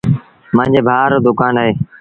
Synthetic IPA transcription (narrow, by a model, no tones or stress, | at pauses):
mãːɲd͡ʒeːbʱaːɾoːd̪ʊkaːnaːɦeː